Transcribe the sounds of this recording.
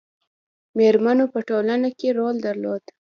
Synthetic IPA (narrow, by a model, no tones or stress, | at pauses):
meɾmanopəʈolanakeɾold̪aɾlod̪